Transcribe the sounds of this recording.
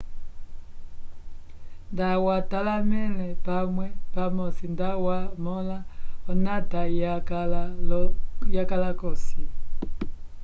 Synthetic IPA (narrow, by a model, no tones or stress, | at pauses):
ndawatalamɛlɛpamwɛpamɔsindawamɔlaɔnatajakalaljakalakɔsi